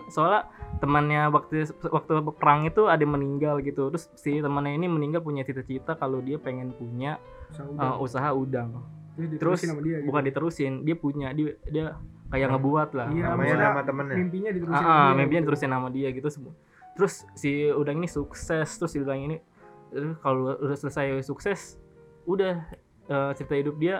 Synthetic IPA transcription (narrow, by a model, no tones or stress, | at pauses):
soalat̪əmənɲawak̚t̪uwak̚t̪uəpəɾaŋit̪uadaməniŋɡalɡit̪ut̪ɾʊsːit̪əmənɲainiməniŋɡalp̬uɲat͡ʃit̪at͡ʃit̪akalodiapeŋɛnpuɲa | əmusaɦaudaŋ | it̪əɾʊsibukandit̪əɾusɪndiapuɲadiadiakajaŋəbuat̪lahamaadmat̪əmənmimpiɲadit̪əɾuaəmimpiɲadit̪əɾusɪnamadiaɡit̪us | t̪əɾʊsːiudaŋinisuksɛst̪əɾʊsillaŋini | ɾkalosələsajsuksɛsudah | əːt͡ʃəɾit̪aɦidʊp̚dia